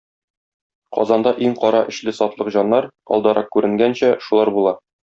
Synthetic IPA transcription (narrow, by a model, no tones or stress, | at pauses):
qɒ̰zɑnd̪ɑʔiŋqɒɾɑʔɘ̆ɕlɘsɒt̪lˠɤqʑɒnːɑɾɒ̰lˠd̪ɑɾɑq̚kʉɾɘ̆ŋɡænɕæʃulˠɑɾbulˠɑ